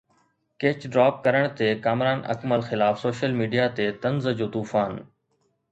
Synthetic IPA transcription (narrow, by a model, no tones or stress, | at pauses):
keːt͡ɕɖɾaːp̚kɐɾəɽ̃t̪ekaːmɾaːnɐ̰kməlxɪlaːfsoːʃəlmiːɖijat̪et̪ɐnzd͡ʑoːt̪uːfaːn